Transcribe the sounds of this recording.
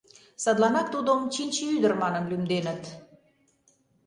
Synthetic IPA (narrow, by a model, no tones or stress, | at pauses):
sɑd̪lɑnɑt̪ːud̪ə̆mt͡ɕint͡ɕiyd̪ə̆rmɑnə̆mlymd̪enə̆t̪